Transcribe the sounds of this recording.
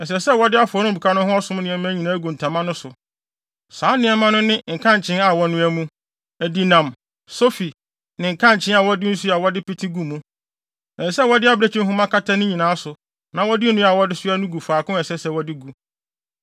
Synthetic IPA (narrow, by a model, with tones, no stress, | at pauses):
ɛ˨s̬ɛ˨sɛ˦wɔ˦dɪ˦a˦fʊ˨ɔ˨˦nʊ̃˦˨bu˨kʰa˦nʊ̃˦hʊ̃˦ɔ˦sʊ̃˦m˦nɪ̃˨ɛ˦m̃˦æ˦ɲĩ˨nãː˨˦ɡu˨n̩˨tʰã˨mã˦nʊ̃˦sʊ˨ | saː˨˦nɪ̃˦ɛ˦mã˦nʊ̃˦nɪ̃˦ŋ̩˨kʰã˦˨ɲ˨t͡ɕʰɪ̃˦na˨wɔ˦nʊ̃˦æ˦mũ˦ | æ˨di˦nã˨m | so˦fi˨ | nɪ̃˨ŋ̩˨kʰã˦˨ɲ˨t͡ɕʰɪ̃˦a˨wɔ˦dɪ˦n̩˦su˦a˨wɔ˦dɪ˦pɪ˦tʰi˦ɡu˨mũ˦ | ɛ̃˨n˨sɛ˦˨wɔ˦dɪ˦a˦bɾe˨t͡ɕʰĩ˦ɦʊ̃˦mã˦kʰa˦tʰa˦nʊ̃˦ɲĩ˨nãː˨˦sʊ˨ | nã˨wɔ˦dɪ˦nũ˦a˨wɔ˦dɪ˦sʊ˦æ˦nũ˦ɡu˨faː˨kʊ̃˦ɛ˨sɛ˦sɛ˦˨wɔ˦dɪ˦ɡu˨